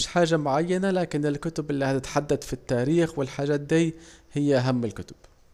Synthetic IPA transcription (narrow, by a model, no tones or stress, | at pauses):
ʃħaːʒamʊʕajːanalaːkɪnɪlkʊt̪ʊbʔɪlːiːhat̪ɪt̪ħad̪ːad̪fit̪ːaːɾiːxwɪlħaːʒaːt̪̚d̪ijhɪjːaʔaɦamːɪlkʊt̪ʊ̥b̥